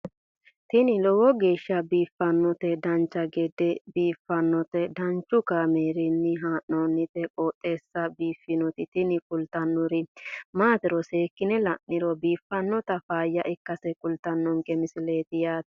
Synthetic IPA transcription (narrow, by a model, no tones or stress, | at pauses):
t̪ɪnɪlɔwɔɡe̞ːʃːɐbiːfːɐnːɔt̪ɛd̪ɐnt͡ʃːɐɡɛd̪ɛbiːfːɐnːɔt̪ɛd̪ɐnt͡ʃːʊkaːmeːɾɪnːɪɦaːʔːɔnːɪt̪ɛkʼɔːt̪ʼːe̞ːsːɐbiːfːɪnɔt̪ɪt̪ɪnɪkʼʊlt̪ɐnːʊɾɪmaːt̪ɪɾɔse̞ːkːɪnɛlɐnːɪɾɔbiːfːɐnːɔt̪ɐfaːjːɐʔɪkːɐsɛkʼʊlt̪ɐnːɔŋɡɛmɪsɪle̞ːt̪ɪjaːt̪